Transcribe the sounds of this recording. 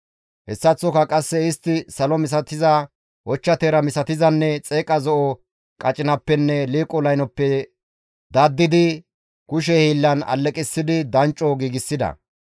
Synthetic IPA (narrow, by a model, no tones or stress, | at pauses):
hɛsːɐt͡sːɔkɐkʼɐsːɛɪst̪ːɪsɐlɔmɪs̬ɐt̪ɪzɐ | ʔɔt͡ʃːɐt̪eːɾɐmɪsɐt̪ɪzɐnːɛt͡sʼe̞ːkʼɐzɔʔɔ | kʼɐt͡ʃʼɪnɐpːɛnːɛliːkʼɔlɐjnɔpːɛ | d̪ɐd̪ːɪd̪ɪ | kʊʃ̬ɛhiːlːɐnɐ̰lːɛkʼɪsːɪd̪ɪd̪ɐnt͡ʃʼːɔɡiːɡɪsːɪd̪ɐ̰